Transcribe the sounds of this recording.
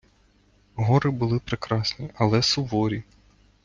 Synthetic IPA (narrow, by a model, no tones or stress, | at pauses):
ɦɔɾɪbʊlˠɪpɾekɾɑsʲnʲiʔɐlˠɛsʊʋɔɾʲi